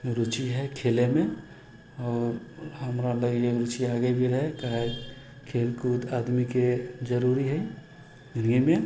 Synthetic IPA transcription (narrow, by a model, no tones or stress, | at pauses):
ɾʊt͡ʃiɦɛkʰeːlemẽ | ɔːɾhɐmɾaləɡjeɾut͡ʃiaːɡebʱiɾəɦekaːe | kʰeːlkuːt̪ʰaːd̪miked͡ʒəɾuːɾiɦɛ | d͡ʒɪnɡimẽ